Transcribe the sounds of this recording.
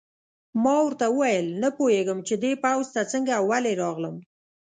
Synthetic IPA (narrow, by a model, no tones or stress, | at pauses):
mɑwəɾt̪awəwajəlnapoheɡəmt͡ʃed̪epawzt̪at͡səŋɡaːwaleɾɑɣləm